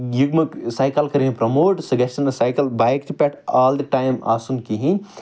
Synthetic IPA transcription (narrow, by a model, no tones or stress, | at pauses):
juɡmɐksajkɐlkɐɾiĩpɾɐmoːʈsɐɡɐsʈɐnɐsajkɐlbajk̚t̪ʰipʲɛʈaːld̪ɐʈajma̰ːsunkiɦĩ